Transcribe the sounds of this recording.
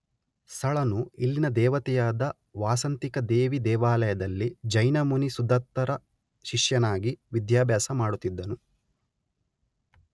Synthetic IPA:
st̪ʰɐɭɐnuilːinɐd̪ɛːʋɐt̪ɛjaːd̪ɐ | ʋaːsɐnt̪ikɐd̪eːʋid̪ɛːʋaːlɐjɐd̪ɐlːid͡ʒɐjnɐmunisud̪ʱɐt̪ːɐɾɐ | ʃiʂjɐnaːɡiʋid̪jaːbjaːsɐmaːɽut̪ːid̪ːɐnu

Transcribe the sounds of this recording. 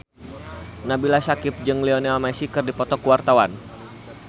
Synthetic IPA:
nabilasakɪp̚d͡ʒɨŋlionɛalmasikɨrdipɔt̪ɔkuwart̪awan

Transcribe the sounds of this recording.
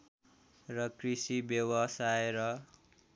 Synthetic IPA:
rʌkrisibjʌwʌsaeɾʌ

